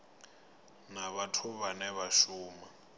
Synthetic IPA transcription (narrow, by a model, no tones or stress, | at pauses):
naβatʰuβanɛβaʃuːma